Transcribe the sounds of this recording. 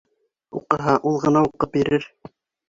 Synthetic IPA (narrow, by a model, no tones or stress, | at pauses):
ṵqɤ̆ɦɑʔulˠʁɤ̆nɑuqɤp̚biɾɘɾ